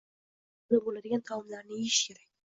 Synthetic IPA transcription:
labolad̪ɪɡʲant̪ʰɑwʊmlaɾnɪeʃjɛɾak̚ʲ

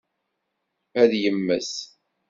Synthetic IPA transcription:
æðjəmːəs

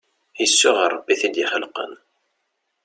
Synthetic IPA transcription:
jəsːʊʁəɾˤəbːiθid̪jiχəlqə̰n

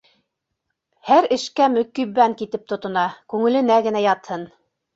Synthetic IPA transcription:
hæɾɘ̆ʃkæmɵ̆kːiβæŋkit̪ɘp̚t̪ŏt̪ŏnɑkʉŋɘ̆lɘ̆næɡɘ̆næjɑt̪hɤn

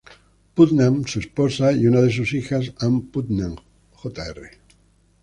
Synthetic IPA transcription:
put̪nãmsuesposajunaðes̬usixasãmput̪nãm | xot̪aere

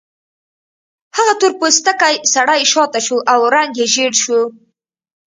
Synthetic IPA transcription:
haɣat̪oɾpost̪akajsaɽajʃɑt̪aʃuʔawɾaŋɡjeʒeɽʃu

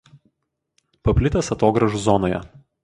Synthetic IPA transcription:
pɐpʲlʲɪt̪ʲɛsɐt̪oːɡɾɐʒʊzɔnoːjɛ̰

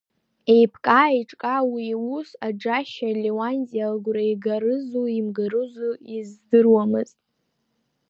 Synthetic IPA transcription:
e̞jpʰkʼaːiʈ͡ʂʼkʼawiwusad͡ʒaʃalewanzʼialɡʷrajɡaɾɨzuimɡaɾɨzuizdɨrwamɨztʼ

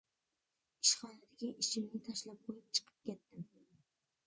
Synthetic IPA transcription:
ɪʃχɒnad̪ɪɡʲɪʔɪʃɪmnɪt̪ʰaʃlap̚qʰojɪp̚t͡ʃʰɨ̥qʰɨ̥p̚kʲet̪ːɪm

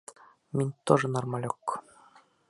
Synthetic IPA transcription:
mʲinʲt̪oʐɤ̆nɑrmɑlʲokː

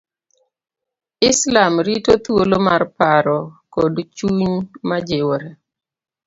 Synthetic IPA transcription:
ɪslamɾitot̪wolomarpaɾɔkodt͡ʃuɲmad͡ʒewoɾe

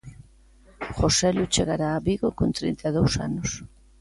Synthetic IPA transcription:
χosɛlut͡ʃeɣaɾaːβiɣokont̪ɾḭnt̪aðowsa̰nʊs

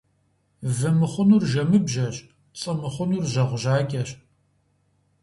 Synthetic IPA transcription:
vɨmɨχʷʊnurʒɐmɨbʒɐɕʼ | t͡sʼɨmɨχʷʊnurʒɐʁʷʊʒaːɡʲɐɕ

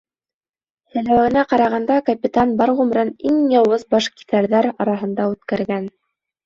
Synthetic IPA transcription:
sɘ̆læwɘ̆næqɑɾɑʁɑnd̪ɑkɐpʲit̪ɑnbɑɾʁʉmɾɤniŋjɑwɤzbɑʃki̥θæɾðæɾɑɾɑɦɤ̆nd̪ɑʉt̪kæɾɡæn

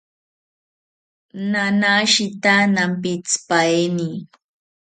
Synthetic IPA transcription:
nanaʃit̪anampit͡spaeni

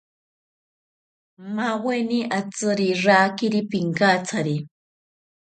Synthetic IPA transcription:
maweniʔat͡sɨɾiɾaːkiɾipiŋkat͡sʰaɾi

